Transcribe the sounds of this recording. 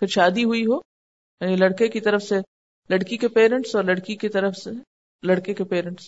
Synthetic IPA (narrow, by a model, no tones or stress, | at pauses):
pʰɪɾʃaːd̪iɦuiɦoː | jaːnilɐɽkekit̪ɐɾəfse | lɐɽkikepeːɾɛ̃ɳʈsɔːɾlɐɽkikit̪ɐɾəfse | lɐɽkekepeːɾɛ̃ɳʈs